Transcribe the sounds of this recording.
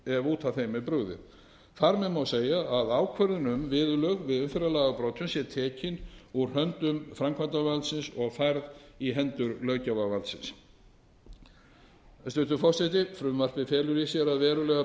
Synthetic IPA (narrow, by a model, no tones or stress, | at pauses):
ɛvuːt̪ʰaθejmɛpɾʏɣðɪ̰ | θaɾmɛðmawseːjaːðaːwkʰvɛɾðɪnʏmvɪðlœɥɣvɪðʏnfɛɾalaːɣapɾoːt̪ʰʏnsjɛɾt̪ʰɛːcɪnuɾ̥hœnt̪ʏmfɾamkʰvant̪avalt̪sɪnsɔɣfajɾðiɦɛnt̪ʏɾlœːɥcavavalt̪sɪns | st̪ʏːt̪ʏfɔr̥sɛt̪ɪfɾʏmvar̥pɪfɛːlʏɾisjɛɾaðvɛːɾʏlɛɣa